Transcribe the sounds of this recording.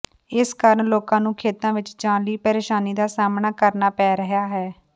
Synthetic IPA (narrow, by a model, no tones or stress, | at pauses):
ɪskaːɾəɳloːkãːnũːkʰeːt̪ãːʋɪt͡ʃd͡ʒãːliːpəɾeːʃaːniːd̪aːsaːmnaːkəɾnaːpɛːɾəɦjaːɦɛː